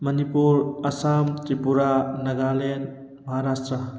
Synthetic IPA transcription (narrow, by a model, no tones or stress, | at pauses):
mʌnipuɾɐsamt̪ɾipuɾanɐɡalen | mʌɦaɾasʈɾʌ